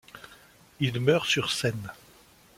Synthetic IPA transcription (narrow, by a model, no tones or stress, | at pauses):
ilmœʁsyʁsɛn